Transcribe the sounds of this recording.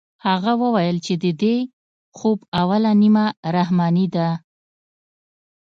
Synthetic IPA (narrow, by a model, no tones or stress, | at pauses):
haɣawəwajəlt͡ʃed̪əd̪e | xobawalanimaɾahmɑnid̪a